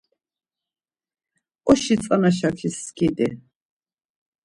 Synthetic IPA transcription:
ɔʃit͡sʼanaʃ̬akʰiskʰid̪ɛ

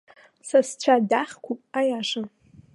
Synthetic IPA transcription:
sast͡ɕʷʰadaχʲkʷʰupʼajaʂa

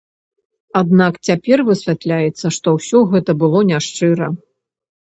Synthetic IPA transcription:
ad̪nakt͡sʲapʲɛrvɨsʲvʲat̪lʲajɛt̪sːɐʂt̪ɔwsʲɔɣɛt̪ɐbɨlˠɔnʲaʂt͡ʂɨɾɐ

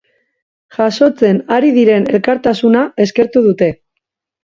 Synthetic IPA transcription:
ʝaso̞t͡se̞naɾiðiɾe̞ne̞lkaɾt̪asunae̞ske̞ɾt̪uð̞ut̪e̞

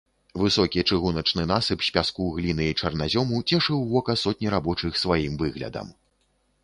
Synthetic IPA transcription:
vɨsɔkʲit͡ʂɨɣunɐt͡ʂnɨn̪asɨpsʲpʲaskuɣlʲinɨit͡ʂɐrnazʲɔmut͡sʲɛʂɨwvɔkɐsɔt̪ʲnʲiɾabɔt͡ʂɨxsvajimvɨɣlʲɐ̰d̪ɐ̰m

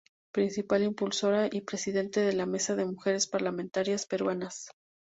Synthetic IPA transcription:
pɾinsipalimpulso̞ɾaʔipɾe̞siðe̞nt̪e̞ðe̞lame̞saðe̞muxe̞ɾe̞spaɾlamẽnt̪aɾjaspe̞ɾwanas

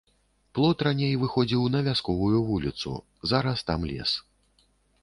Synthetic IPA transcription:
plˠɔt̪ranʲejvɨxɔd͡zʲiwnɐvʲaskɔvujuvulʲit̪sṵ | zaɾɐst̪amlʲɛ̰s

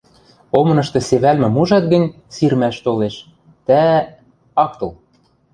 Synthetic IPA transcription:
omɤ̆nɤ̆ʃt̪ɤ̆seβælmɘ̆muʒɑt̪̚ɡɘ̆nʲ | sirmæʃt̪oleʃ | t̪æ | ɑk̚t̪ɤ̆l

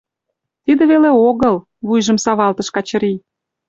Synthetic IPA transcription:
t̪id̪ĕβeleoɣɤl | βujʒə̆msɑβɑlt̪ə̆ʃkɑt͡ɕə̆ɾi

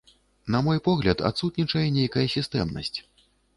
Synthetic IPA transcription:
nɐmɔjpɔɣlʲɐt̪a̰t̪sut̪ʲnʲit͡ʂɐjɛnʲejkɐjɐsʲist̪ɛmnɐ̰sʲt͡sʲ

